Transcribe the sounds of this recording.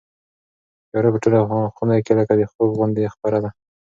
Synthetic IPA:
jɑɾapəʈolaxunajkeləkad̪əxobɣʊnd̪expaɾad̪a

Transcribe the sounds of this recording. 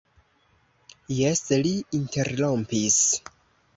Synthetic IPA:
jesliinteɾlo̞mpis

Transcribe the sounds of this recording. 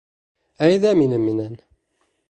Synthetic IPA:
æjðæminəminæn

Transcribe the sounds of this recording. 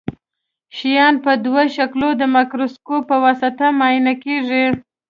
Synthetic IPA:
ʃijɑnpəd̪waʃaklod̪əmakɾoskopːəwasat̪amɑjinakeʐi

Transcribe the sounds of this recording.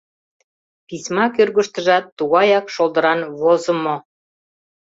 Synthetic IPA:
pisʲmɑkørɣəʃt̪ə̆ʒɑt̪ːuɣɑjɑkʃold̪ə̆ɾɑnβozə̆mo

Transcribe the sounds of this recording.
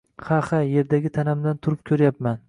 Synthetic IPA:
hahaje̞ɾd̪aɡʲɪt̪ʰanamd̪ant̪ʰʊɾɪp̚kʲʰɵɾjapman

